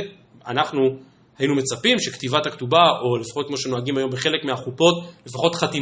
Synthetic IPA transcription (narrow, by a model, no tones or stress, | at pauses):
anaχnu | hajinume̞t͡sapimʃektivathaktubaolefaχot̚kmoʃe̞no̞aɡimajo̞mbeχe̞le̞kmeaχupo̞tle̞faχo̞tχati